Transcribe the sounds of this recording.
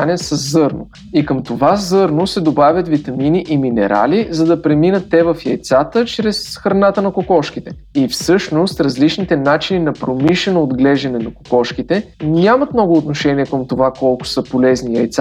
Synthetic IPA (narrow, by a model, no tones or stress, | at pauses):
anɛsɐzːɤɾnʊ̰ | ikəmt̪ovazɤɾnʊsɛd̪obavʲjət̪vit̪ɐminiʔiminɛ̰ɾʔa̰lizɐd̪ɐpɾɛminət̪ːɛvɐfjɐjt̪sat̪ət͡ʃɾɛsxɾɐnat̪ənɐkokɔʃkit̪ɛ | ifsɤʃnost̪ɾɐzlit͡ʃnit̪ɛnat͡ʃininɐpɾomiʃɛnoːd̪ɡlɛʒɐnɛnɐko̥kɔʃk̟it̪ɛnʲamət̪mnɔɡʊːt̪noʃɛniɛkəmt̪ovakɔlˠkʊ̥sɤpolɛznijɐjt̪sa